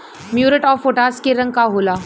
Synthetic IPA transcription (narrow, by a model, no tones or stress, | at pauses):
mjuːɾəʈɔːfoːʈaːskeɾɐ̃ŋɡ̚kaɦoːlaː